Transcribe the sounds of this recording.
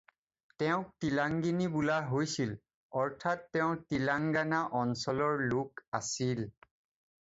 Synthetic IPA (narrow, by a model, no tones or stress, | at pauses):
tɛʊ̃k̚tilaŋɡinibulaɦojsil | ɔɹtʰatːɛʊ̃tilaŋɡanaʔɔnsɔlɔɹlukasil